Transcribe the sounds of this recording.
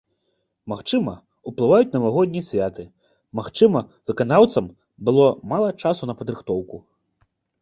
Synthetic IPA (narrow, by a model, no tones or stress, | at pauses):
maxt͡ʂɨmɐ | uplˠɨvajut͡sʲnɐvaɣɔd̪ʲnʲisʲvʲat̪ɨ | maxt͡ʂɨmɐvɨkanawt̪sɐm | bɨlˠɔmalˠɐt͡ʂasunɐpɐd̪ɾɨxt̪ɔwku